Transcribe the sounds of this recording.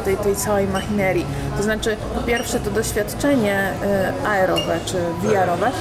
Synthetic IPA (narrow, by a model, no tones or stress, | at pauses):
t̪ɛjt̪ɛjt̪sawɛjmaxʲinɛɾʲji | t̪ɔznat͡ʂɘpɔpʲjɛɾfʂɛt̪ɔd̪ɔɕfʲjat̪t͡ʂɛɲɛ | aɛɾɔvɛt͡ʂɘvʲiaɾɔvɛ